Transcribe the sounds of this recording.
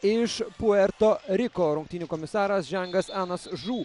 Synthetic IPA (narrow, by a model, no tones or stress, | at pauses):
ɪʃpuɛɾt̪oːɾʲɪkoːɾʊŋk̚t̪iːnʲukɔmʲɪsɑːɾɐsʒʲɛŋɡɐsɑːnɐsʒuː